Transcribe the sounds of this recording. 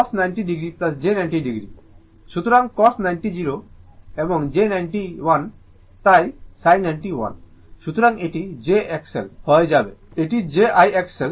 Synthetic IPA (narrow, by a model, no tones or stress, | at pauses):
kɔsnajɳʈiɖiɡɾiplɐs̬d͡ʑenajɳʈiɖiɡɾi | ʃut̪ɾãŋkɔsnajnʈid͡ʑiɾoebɔŋd͡ʑenajɳʈiʋan | t̪ajsajnajɳʈiʋa̰n | ʃut̪ɾãŋeʈid͡ʑeɛksɛ̰lpʰəjd͡ʒabeeʈid͡ʑeajɛksɛl